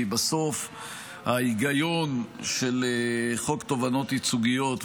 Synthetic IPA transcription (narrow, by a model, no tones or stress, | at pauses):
baso̞f | haiɡajonʃelχo̞kt̪o̞vano̞t̪it͡suɡijo̞t̪